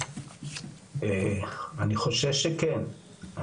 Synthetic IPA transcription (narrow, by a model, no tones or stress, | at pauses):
eaniχo̞ʃevʃekɛn